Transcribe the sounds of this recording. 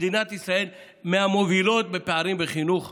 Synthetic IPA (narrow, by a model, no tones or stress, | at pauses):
d̪inat̪isɾae̞l | meamo̞vilo̞t̪̚bepeaɾimbeχinuχ